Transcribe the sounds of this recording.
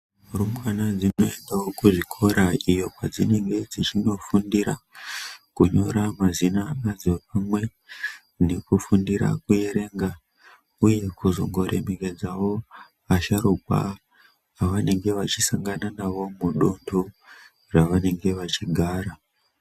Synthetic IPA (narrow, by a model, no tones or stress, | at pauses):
urumwanad͡zino̞endawokuʐikʰo̞ɾaijo̞pad͡zine̞ŋɡe̞d͡zit͡ʃino̞fundiɾa | kuɲo̞ɾamazinamad͡zopamwe̞ | ne̞kufundiɾa̰kuje̞ɾe̞ːŋɡa | uje̞kuzo̞̰ŋɡo̞ɾʔe̞̰me̞ke̞d͡zawo̞ | aʃaɾukwa̰ | aʋane̞ŋɡe̞ʋat͡ʃisaŋɡananawo̞muɗundu | raʋane̞ŋɡe̞ʋat͡ʃiɡʱaːɾa